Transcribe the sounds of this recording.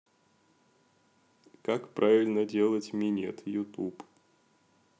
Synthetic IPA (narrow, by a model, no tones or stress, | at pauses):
kakpɾʔavʲɪlʲnədʲe̞lˠətʲmʲɪnʲḛt̪jʊt̪up